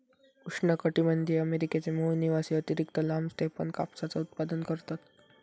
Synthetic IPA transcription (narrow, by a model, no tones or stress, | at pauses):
kuʂɳəkəʈimənd̪ʱiəmeɾiket͡semuɦniʋasiət̪iɾikt̪əlamst̪ʰepə̰ɳka̰psat͡saut̪̚pad̪ənkəɾt̪at̪